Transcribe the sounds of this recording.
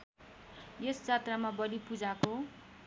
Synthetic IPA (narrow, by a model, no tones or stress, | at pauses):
jest͡sat̪ramabʌlipud͡zako